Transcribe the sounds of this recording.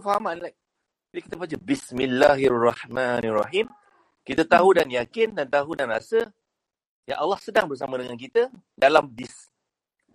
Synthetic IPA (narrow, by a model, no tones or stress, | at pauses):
faɦamanlaj̚ | d͡ʒalikit̪əbat͡ʃəbismilːaɦrːɑħmanrɑ̰ɦim | kit̪at̪aɦudanjakɪndant̪aɦudanra̰sə | ja̰ʔalːɑhsədaŋbərs̬amãdəŋank̬it̪ə | dalambis